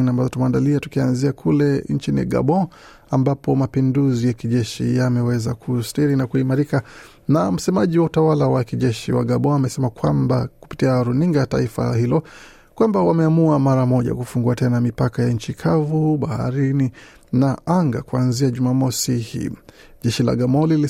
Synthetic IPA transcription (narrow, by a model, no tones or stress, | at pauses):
nambazɔtumɛaːndaliatukianziakʰulɛnt͡ʃinḭɡa̰ɓɔ̃ | ambapɔmapinduzijakiʄɛʃḭjamɛwɛzakʰustiɾinakuimaɾika | nam̩sɛmaʄiwautawalawakiʄɛʃiwa̰ɡaɓɔ̃amɛsɛmakwambaku̥pi̥tiaɾuniŋɡata̰ifa̰hilɔ | kwambawamɛamuamaɾamɔʄa̰kufuŋɡuatɛnamipakajaɲ̩t͡ʃikʰavuɓaha̰ɾini | naʔaŋɡakuanziaʄumamɔsihḭː | ʄɛʃila̰ɡamɔ̃lili